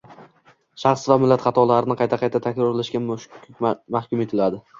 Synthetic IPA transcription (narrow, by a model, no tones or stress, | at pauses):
ʃɑχsvamɪlːat̪χɑt̪ʰɒlaɾɪnɪqʰɑjt̪ʰaqʰɑjt̪ʰat̪ʰakʲɾɒɾlaʃkʲa | mahkʲʊme̞t̪ʰɪlad̪ɪ